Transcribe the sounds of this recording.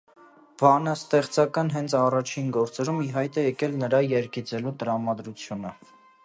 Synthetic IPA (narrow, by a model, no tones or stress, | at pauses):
b̥ɑnɑst̪ɛχt͡sɑkɑnɦɛnt͡sʰɑrɑt͡ʃʰinɡɔɾt͡sɛɾumiɦɑjt̪ɛjɛkɛlnəɾɑjɛɾɡit͡sɛlut̪əɾɑmɑd̪ɾut͡sʰjunə